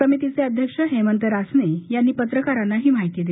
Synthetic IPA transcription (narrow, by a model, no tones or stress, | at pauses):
əmit̪it͡seəd̪ʱjəkʂəɦemənt̪əɾasnejanːiːpət̪ɾəkaɾanːaɦiːmaɦit̪iːd̪e